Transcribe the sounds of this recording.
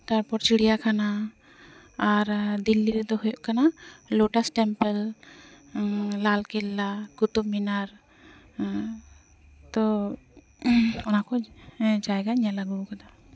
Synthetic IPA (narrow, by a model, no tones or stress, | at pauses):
t̪aɾpɔɾt͡ʃiɽijakʰana | ɾd̪ilːiɾɛd̪ɔhujɔʔkanalɔʈasʈɛmpɛl | lalkɛlːakut̪ubminaɾ | t̪ɔ | ɔnakɔd͡ʒajɡaɲalaɡukad̪a